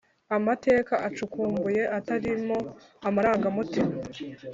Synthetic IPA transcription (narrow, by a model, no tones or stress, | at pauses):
amate̞ːkaʔat͡ʃukuːmbuje̞ʔataɾimo̞ | amaɾaːŋɡamutima